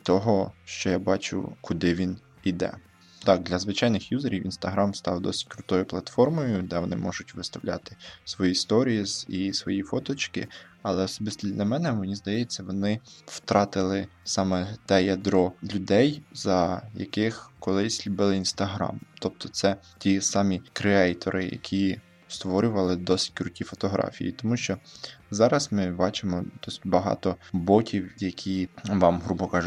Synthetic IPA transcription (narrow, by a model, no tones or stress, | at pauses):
t̪ɔɦɔʃt͡ʃɔjabɑt͡ʃʊ̰kʊd̪ɪʋʲin | id̪ɛ̰ | t̪ɑk̚d̪lʲɐzʋɪt͡ʃɑjnɪxjuzeɾʲiwinst̪ɐɦɾɑmst̪ɑwd̪ɔsɪ̥t̚ʲkɾʊt̪ɔjʊplˠɐt̪fɔrmɔjʊd̪ɛʋɔnɪ̰mɔʒʊtʲʋɪst̪ɐwlʲa̰t̪ɪ̥sʋɔjist̪ɔɾʲiizisʋɔjifɔt̪ɔt͡ʃkɪ̰ | ɐlˠɛɔsɔbɪst̪ʲid̪lʲɐmɛnɛmenʲizd̪ɐjɛt͡sʲːɐʋɔnɪw̥t̪ɾʔɑt̪ɪlˠɪsɑmɛt̪ɛjɐd̪ɾɔlʲʊd̪ɛjzɐjɐ̰kɪxkɔlˠɪsʲlʲʊbɪlˠɪinst̪ɐɦɾɑ̰mt̪ɔp̚t̪ɔt̪sɛ | tʲisɑmʲikɾeɛjt̪ɔ̰ɾʔɪ̰jɐ̰kʲʰi | st̪ʋɔɾʲʊʋɐlˠɪd̪ɔsɪ̥tʲkɾʊtʲifɔt̪ɔɦɾʔɑ̰fʲḭjḭt̪ɔmuʃt͡ʃɔzɑɾɐsmɪbɑt͡ʃɪmɔd̪ɔsɪ̥tʲbɐɦɑ̰t̪ɔbɔkʲiwjɐkʲʰiʋɑmɦɾubɔkɑʒʊ